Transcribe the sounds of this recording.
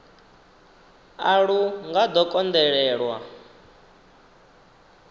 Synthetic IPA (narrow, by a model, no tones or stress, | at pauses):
aɺuŋɡad̪ɔkʼɔnd̪ɛɺɛːɺwa̰